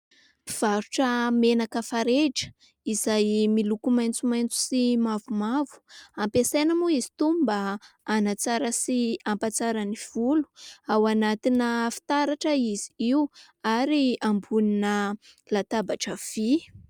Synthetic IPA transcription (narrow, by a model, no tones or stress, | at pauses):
piv̥aɾuʈ͡ʂəmenakəfaɾeʈ͡ʂə̥ | izajmilukumajnt͡sumajnt͡su̥simavumavu̥ampesenamuizi̥t̪umbəanat͡saɾəsiampat͡saɾəniv̥ulu̥awanat̪inəfi̥t̪aɾaʈ͡ʂəiziiw | aɾiambuninəlat̪abaʈ͡ʂəv̥i